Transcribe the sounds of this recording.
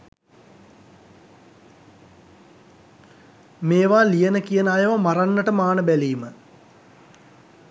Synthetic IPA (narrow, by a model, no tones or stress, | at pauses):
meːʋaːlijənəkijənəajɐʋamaɾanːəʈəmaːnəbæliːmə